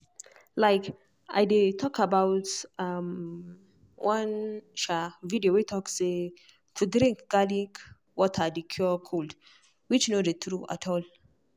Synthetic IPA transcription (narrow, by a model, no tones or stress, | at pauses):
laɪk | ʔajdetʰɔkabawtam | wʔãnʃavidiowitʰɔkse | tʰudɾĩŋkɡ̥alĩŋk | wɔtʰadikʰjukʰold | wit͡ʃnodet̪ʰɾuʔa̰tʰɔl